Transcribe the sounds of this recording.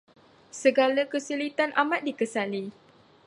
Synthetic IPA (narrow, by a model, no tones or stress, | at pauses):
səɡalakəsəlit̪anʔamat̪̚dikəsali